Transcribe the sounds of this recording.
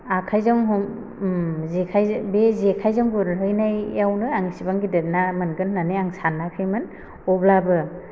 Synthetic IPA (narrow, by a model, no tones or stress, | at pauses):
akʰajzɔŋɦɔm | zekʰajbezekʰajzɔŋbɯɾɾɯjnajawnɯaŋisibaŋɡidɯt̚namɯnɡɯnːaneaŋsanːakʰɯjmɯn | ɔblabɯ